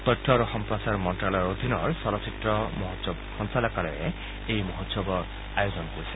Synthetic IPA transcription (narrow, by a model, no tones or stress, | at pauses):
t̪ɔjtʰːɔɾuxɔmpɹɔsaɹmɔntɾalɔɹod̪ʱinɔɹsɔɾɔsitɾɔmɔɦot̪sɔbɔxɔnsalɔkalɔ̰ḛ | ejmɔɦot̪sɔbɔ | ajozɔnɔkoɾise